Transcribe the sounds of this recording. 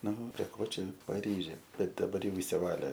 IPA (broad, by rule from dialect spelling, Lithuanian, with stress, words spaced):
ˈnʊ pʲrʲiɛ ˈkoː ˈt͡ʃʲɛ pɐˈrʲiːʒʲeː ˈbʲɛt dɐˈbɐr ˈjɛʊ ɪʃʲsʲɪˈʋɑːlʲeː